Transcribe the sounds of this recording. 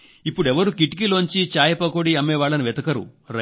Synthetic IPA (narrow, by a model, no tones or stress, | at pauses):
ipːuɽɛʋɐɾukiʈk̬iloːɲt͡ʃit͡ʃaːjɐpɐkoɽiɐmːeːʋaːɭɐniʋɛt̪ɐkɐɾṵɾɐ